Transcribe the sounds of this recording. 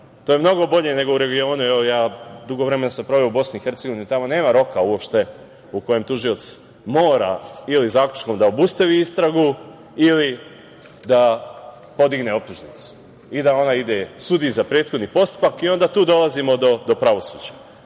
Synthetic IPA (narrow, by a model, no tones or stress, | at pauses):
t̪oːjemno̞ɡo̞bo̞ʎe̞ne̞ɡo̞uɾe̞ɡio̞ːnueojaːd̪uɡo̞ʋɾemenasampɾo̞ʋeoubo̞sniixe̞ɾt̪seɡo̞ʋinit̪amo̞ne̞ːmaɾo̞kauwopʃt̪e̞ | uko̞je̞mt̪uʒijo̞t̪s | mo̞ːɾa̰ilizaːklʲu̥t͡ʃko̞md̪ao̞bust̪aʋiist̪ɾaɡu | ili | d̪a | po̞d̪iɡne̞o̞p̚t̪uʒnit̪su̥ | id̪ao̞naid̪e̞sud̪izapɾeːt̪xo̞d̪nipo̞st̪u̥pakio̞nd̪at̪uːd̪o̞lˠazimo̞d̪o̞d̪o̞pɾaʋo̞sṵːd͡ʑa